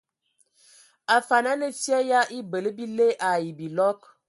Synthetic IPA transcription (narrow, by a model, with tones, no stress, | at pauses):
a˨fa˨na˦nə˨fja˦ja˦ʔi˦bə˨lə˦bi˦le˦ʔa˨ji˨bi˨lɔ˦k